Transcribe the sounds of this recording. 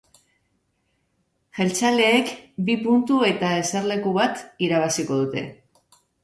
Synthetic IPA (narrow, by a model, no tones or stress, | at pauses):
ʝe̞lt͡ʃale̞ːkbipunt̪ue̞t̪ae̞seɾle̞kuβat̪iɾaβasiko̞ð̞ut̪e̞̰